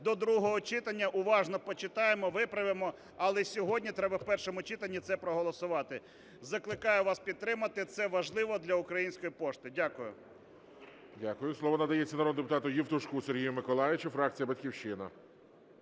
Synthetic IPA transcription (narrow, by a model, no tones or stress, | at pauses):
d̪ɔd̪ɾuɦɔɦɔt͡ʃɪt̪ɐnʲːɐʔʊʋɑʒnɔpɔt͡ʃɪt̪ɑjemɔʋɪpɾɐʋɪmɔ | ɐlˠɛsʲɔɦɔdʲnʲit̪ɾɛbɐwpɛrʃɔmʊt͡ʃɪt̪ɐnʲːit̪sɛpɾɔɦɔlˠɔsʊʋɑt̪ɪ | zɐklˠɪkɑjʊʋɑspʲid̪̚t̪ːɾɪmɐt̪ɪt̪sɛʋɐʒlˠɪʋɔd̪lʲɐʊkɾɐjinʲsʲkɔjipɔʃt̪ɪdʲakʊjʊ̰ | dʲakʊjʊslˠɔʋɔnɐd̪ɐjɛt͡sʲːɐnɐod̪d̪epʊt̪ɑt̪ʊjiwt̪ʊʃkuseɾʲɦijʊmɪkɔlˠɑjɪt͡ʃʊfɾɑk̚t͡sʲijɐbɐtʲkʲiwʃɪnɐ̰